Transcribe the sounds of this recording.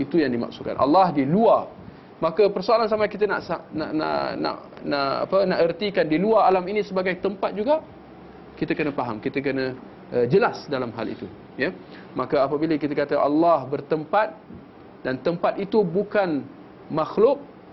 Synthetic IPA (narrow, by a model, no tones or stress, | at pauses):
it̪ujaŋdima̰ksuka̰nʔa̰lːɑhdiluar | makəpərsoalans̬amakit̪əna̰ʔsanaʔna̰ʔna̰ʔnaʔa̰pənaʔərt̪ikandiluaalaminĩsəbaɡajt̪əmpat̪̚d͡ʒuɡaʔ | kit̪əkənəfaɦamkit̪ək̬ənə̃ | əd͡ʒəlasdalamɦa̰lḭt̪u | ja | makəapəbiləkit̪əkat̪əʔa̰lːɑhbərt̪əmpat̪̚ | dant̪əmpat̪̚it̪ubukan | maxlʊk̚